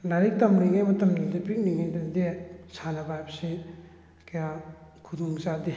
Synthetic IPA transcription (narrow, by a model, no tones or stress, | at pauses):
laɾik̚tɐmɾiŋejmɐtɐmɡidepik̚niŋidandesʰanɐbajpsi | kʰejakʰuduŋzad̪i